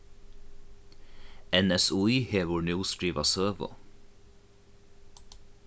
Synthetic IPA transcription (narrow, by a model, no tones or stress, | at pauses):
ɛnɛsuːiːheːʋʊɹnjuːst̪ɹiːʋɑsøːʋʊ̰